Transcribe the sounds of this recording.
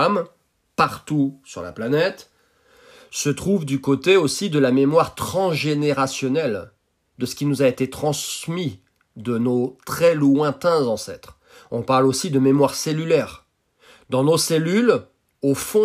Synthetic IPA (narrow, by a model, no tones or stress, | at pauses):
m | paʁt̪usy̰ʁla̰planɛt̪ | sət̪χuvd̪ykot̪eosid̪əlamemwaʁt̪χɑ̃sʒeneʁasjɔnɛl | d̪əsə̥kʲinuzaet̪et̪χɑ̃smi | d̪ənot̪χɛlwɛ̃t̪ɛ̃zɑ̃sɛ̰t̪χ | ɔ̃paʁlosid̪əmemwaʁselylɛʁ | d̪ɑ̃noselyl | ofɔ̃